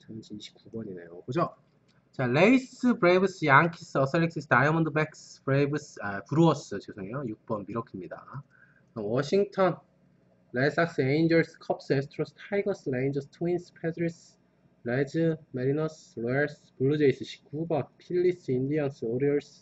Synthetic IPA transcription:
t͡ɕʰanɕʰiɕʰi̥p̚k͈ubʌɲine̞̰jobod͡ʑo | t͡ɕaleisɯbɾebɯs͈ɯjaŋkʰis͈ɯʌsʰeɭːeksisʰdajmʌndɯbeksbɾebɯsapuɾuʌs͈ɯt͡ɕesʰoŋejojuk̚p͈ʌnbiɾʌkʰimɲida̰ | wʌɕʰiŋtʰʌn | ɾes͈ak̚s͈ɯeind͡ʑʌɭsɯ̥kʰʌps͈ɯes̬ʰtʰɾosʰɯ̥tʰaiɡʌs͈ɯɾejnd͡ʑʌsɯ̥tʰwinspʰedɾis | ɾed͡ʑɯmeɾinʌsloeɭs | puɭːud͡ʑeis͈ʰɯɕʰi̥p̚k͈ubʌnpʰiɭːisɯindians͈ɯoɾiʌɭs

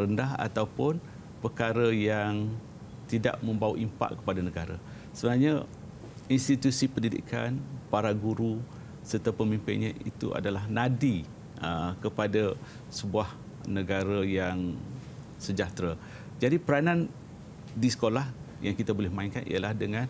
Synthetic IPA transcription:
ɾəndaɦa̰t̪awpʊn | pərkaɾəjaŋ | t̪ida̰ʔmə̃mbawaʔimpa̰ʔkə̥padanəɡaɾa̰ | səbənarɲa | inst̪it̪usipəndidḭka̰npaɾaɡuɾu | sərt̪apəmimpɪnɲaḭt̪uʔa̰dalahnadi | əkəpada | səbuah | nəɡaɾajaŋ | səd͡ʒat̪ɾa | d͡ʒadipəɾanan | disə̥kolah | jaŋkit̪abolɛhmaiŋka̰nʔḭalahdəŋãn

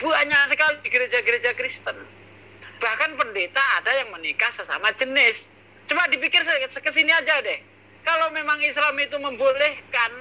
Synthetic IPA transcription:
b̥uaɲasəkalidiɡəɾed͡ʒaɡəɾed͡ʒakɾist̪ən | b̥ahkanpəndet̪aːdajaŋmənikahsəsa̰mad͡ʒənɪs | t͡ʃumadipikɪrskəsiniad͡ʒadɛh | kalomemaŋislamit̪uməmbolɛhkan

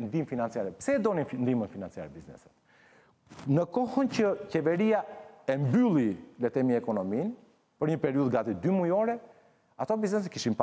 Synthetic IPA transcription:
nd̪imfinant͡siaɾɛpsɛd̪ɔnind̪imənfinant͡sia̰ɾɛbiznɛ̰sət̪ | nəkɔhəncəcɛvɛɾiaɛmbylˠilɛt̪ɛmiɛkɔnɔmin | pəɾɲəpɛɾiuðɡat̪id̪ymujɔɾɛ | at̪ɔbiznɛs̬ət̪kiʃimpa

